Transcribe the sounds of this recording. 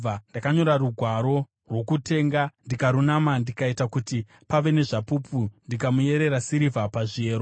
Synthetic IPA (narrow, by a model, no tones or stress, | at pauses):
andakaɲo̞ɾaruɡʱwaɾo̞ | rwo̞kute̞ːŋɡandikaɾunamandikaitakuti | paʋe̞ne̞ʐapupʰundikamuje̞ɾe̞ɾasiɾivapaʐieːɾo